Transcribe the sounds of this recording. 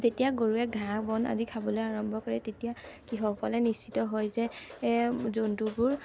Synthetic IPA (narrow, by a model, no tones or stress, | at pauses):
zetijaɡoɹuɛɡʱãkbɔna̰zikʰabɔlojaɹɔmbʱɔkɔɹɛtetijakixɔkɔlɛnist͡ʃitɔɦɔjzɛ | zondubʊɹ